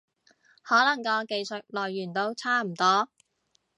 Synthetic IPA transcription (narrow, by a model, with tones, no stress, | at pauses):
hɔː˨˥lɐ˨˩ŋkɔː˧ke˨˧jsɵ˨t̚lɔː˨jːyː˨˩nt̪o˧wt͡sʰaː˥m̩˨˩t̪ɔː˥